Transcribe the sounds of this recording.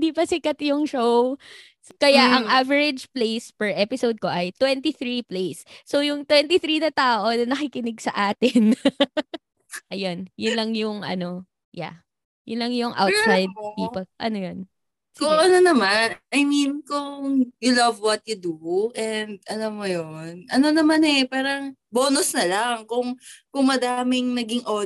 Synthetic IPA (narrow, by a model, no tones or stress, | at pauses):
ɪd̪ipɐsɪkɐt̪jʊŋʃow | kɐjaʔɐŋʔavɛɹɪd͡ʒplejspɛɹʔɛpɪsowd̪̚ko̞ʔɐjt̪wɛnt̪iθɾiplejsːowjʊŋt̪wɛnt̪iθɾiːnɐt̪aːʔo̞nɐnɐkɪkɪnɪɡsɐʔaːt̪ɪn | ʔɐjonjʊnlɐŋjʊŋʔɐ̰no̞ | ja̰ | jʊ̰nlɐŋjʊŋʔa̰wt̪ajd̪d̪iːpɐʔɐ̰nojon | koʔɐnonɐmanʔɐjminkʊŋjulɐvwɐt̪̚jʊd̪uʔɛnd̪̚ʔɐlamːojonʔɐnonɐmanɛpaːɾɐŋboːnosnɐlaŋkʊŋkʊŋmɐd̪aːmɪŋnɐɡɪŋʔo